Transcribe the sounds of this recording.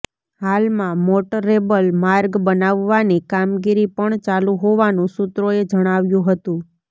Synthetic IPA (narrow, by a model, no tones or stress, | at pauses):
halmãmoʈəɾebəlmaɾɡbənaʋːanikamɡiɾipəɳt͡ʃalũɦoʋanũsʊt̪ɾoed͡ʒəɽ̃aʋjũɦət̪ũ